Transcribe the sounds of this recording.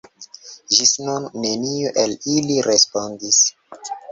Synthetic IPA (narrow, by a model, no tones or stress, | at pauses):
ʒisnunːe̞nioʔeliliɾespondis